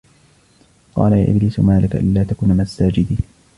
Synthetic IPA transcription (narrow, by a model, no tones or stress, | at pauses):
qɑ̰ːlaja̰ːʔɪ̰bliːsmaːlɪkʔa̰llaːt̪akuːnamasaːd͡ʒɪd̪iː